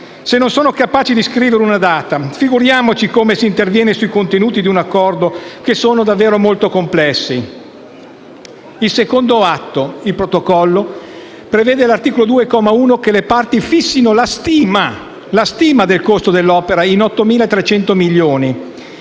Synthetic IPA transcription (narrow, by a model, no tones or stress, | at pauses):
senːonsoːnokapaːt͡ʃid̪iskɾiːveɾeunad̪aːt̪afiɡuɾjaːmot͡ʃikomesiːnt̪ervjɛːnesuikont̪enuːt̪id̪iunakːɔrd̪okesoːnod̪avːeːɾomolt̪okomplɛsːi | ilsekond̪oat̪ːoilpɾot̪okɔlːo | pɾeveːd̪elart̪iːkolod̪uːekɔːmauːnokelepart̪ifisːinolast̪ima | last̪iːmad̪elkost̪od̪elːɔːpeɾainɔt̪ːomiːlaet̪ːɾet͡ʃɛnt̪omiʎːoːni